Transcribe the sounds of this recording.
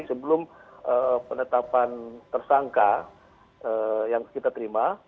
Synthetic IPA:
səbəlʊməpənət̪apant̪ərsaŋka | əjaŋkit̪at̪əɾima

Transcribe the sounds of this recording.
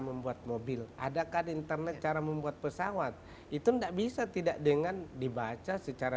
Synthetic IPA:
məmbuat̪̚mobɪla̰dakadiint̪ərnɛt̪̚t͡ʃaɾaməmbuat̪̚pəsawat̪̚ | it̪undaʔbisat̪idaʔdəŋandibat͡ʃasət͡ʃaɾa

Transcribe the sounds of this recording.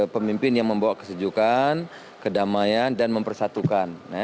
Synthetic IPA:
pəmimpɪnjaŋməmbawaʔkəsəd͡ʒukan | kədamajandanməmpərsat̪ukanːɛ

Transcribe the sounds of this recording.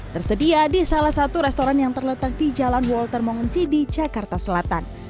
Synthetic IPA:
t̪ərsədiadisalahsat̪uɾɛst̪oɾanjaŋt̪ərlət̪ak̚did͡ʒalanwɔlt̪ərmɔŋənsidid͡ʒakart̪asəlat̪an

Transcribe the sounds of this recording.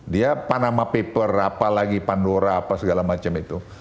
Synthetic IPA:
diapanamapepərapalaɡipandoɾaːpasəɡalamat͡ʃamit̪u

